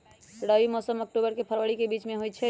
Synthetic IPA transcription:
ɽəimɔsəmək̚ʈubəɾkepʰəɾʋəɽikebit͡ʃmẽɦojt͡ʃʰɛ

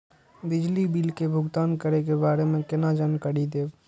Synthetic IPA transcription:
bɪd͡ʒlibiːlkebʱʊɡt̪aːnkəɾek̬ebaːɾemẽkɪnad͡ʒənkəɽid̪eːb

